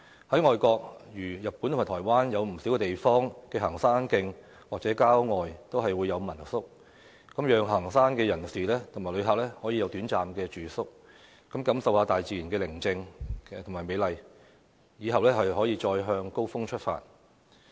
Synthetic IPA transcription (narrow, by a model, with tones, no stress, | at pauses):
hɐ˨˥jŋɔː˨jkɔː˧k̚jyː˨˩jɐ˨˩t̚pːuː˨˥t̪ʰmːaː˨˩tʰːjwaː˥njɐ˨˧wm̩˨˩si˨˥wkɛ˧t̪e˨˩jfɔː˥ŋkɛː˧ɦɐ˨˩ŋsaː˥nkɪ˧ŋ | waː˨k̚t͡sɛː˨˥kaː˥wŋɔː˨jt̪o˥wɦɐ˨jwuː˨˧jːɐ˨˧wmɐ˨˩nsʊ˥k̚ | kɐ˨˥mjœː˨˧ŋɦɐː˨˩ŋsaː˥nkɛː˧jɐ˨˩nsiː˨lɛː˥t̪ʰʊ˨˩ŋmaː˨˩lɵ˨˧ɥɦaː˨k̚lɛː˥hɔː˨˥ji˧jɐ˨˧wt̪yː˨˥nt͡saː˨mkɛː˧t͡ʃyː˨sʊ˥k̚ | kɐ˨˥mkɐ˨˥msɐ˨whaː˧t̪aː˨jt͡siː˨ji˨˩nkɛː˧lɪ˨˩ŋt͡sɪ˧ŋtʰʊ˨˩ŋmaː˨˩jme˨˧jlɐ˨j | jiː˨˧ɦɐ˨wlɛː˥hɐ˨jhɔː˨˥jiː˧t͡ʃɔː˧jɦœː˧ŋko˥wfʊ˥ŋt͡ʃʰt̚fa̰ː˧˩t